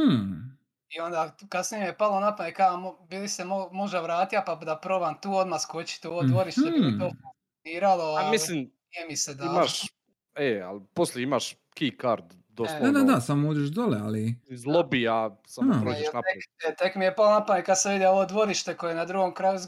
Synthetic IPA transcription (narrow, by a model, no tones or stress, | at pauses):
io̞nd̪akasnijemije̞palˠo̞napanekaamobilisemomo̞ʒd̪aʋɾaːt̪ijapad̪apɾobant̪uːo̞d̪maskot͡ɕi̥t̪oʋod̪ʋo̞ɾiʃt̪emit̪oːfuŋksʲoniːɾalo̞amisliːm | iemised̪aimaʃ | ea̰lposleimaʃ | kikaɾd̪ | d̪osad̪ad̪asamouːd͡ʒeʃd̪olea̰lizlˠobiasaaoenat̪ejet̪ekmijepalonapanekad̪saʋid̪eo̞ʋod̪ʋo̞ɾiʃt̪e̞ko̞jenad̪ɾuɡo̞mkɾajuz